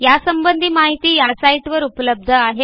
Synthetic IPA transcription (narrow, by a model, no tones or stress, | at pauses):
jasəmbənd̪ʱiːmaɦit̪iːjasaiʈʋəɾupələb̚d̪ʱəaɦe